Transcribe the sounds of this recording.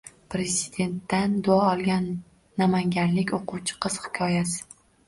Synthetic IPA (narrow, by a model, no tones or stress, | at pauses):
pɾe̞zɪd̪e̞nt̪ːand̪ʊɒɒlˠɡʲanː | amaŋɡʲanlɪkʲoquwt͡ʃʰɪ̥qʰɨz̥hɪ̥kʲʰɒjasɪ̥